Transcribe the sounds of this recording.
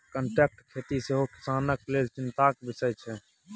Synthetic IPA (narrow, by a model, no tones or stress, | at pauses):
kəɳʈɛːk̚ʈkʰet̪iseɦoki̥saːnəklelt͡ʃɪnt̪akbɪsəjt͡ʃʰɛ